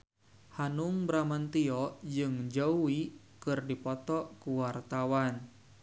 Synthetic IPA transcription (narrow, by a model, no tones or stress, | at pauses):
hanuŋbɾamant̪iɔd͡ʒɨŋd͡ʒauwi | kɨrdipɔt̪ɔkuwart̪awan